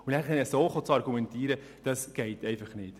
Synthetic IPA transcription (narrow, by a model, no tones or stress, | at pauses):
ʊnæχɛnəsoːχot͡sɑɾɡumɛntiːɾə | d̥ɑsɡ̥ɛɪtɛɪfɑχnɪːt